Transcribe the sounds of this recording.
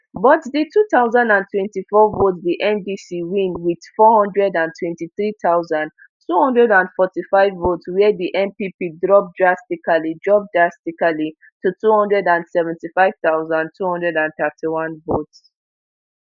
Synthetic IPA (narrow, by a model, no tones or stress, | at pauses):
bɔtðitʰuθaʊzãndãntʰwɛ̃ntifɔvotsðiʔɛ̃mbisiwĩnwið̥fɔhɔ̃ndɹɛdãntʰwɛ̃ntiθɹiθaʊzãnd | tʰuhɔ̃ndɹɛdãndfɔtifaɪvːotswɛðiʔɛ̃mpipidɹɔp̚dɹastikalidɹɔb̚dɹastikali | tutʰuhɔ̃ndɹɛdãndsɛvɛ̃ntifaɪv̥θaʊzãntʰuhɔ̃ndɹɛdãnθɛtiwɔ̃nvots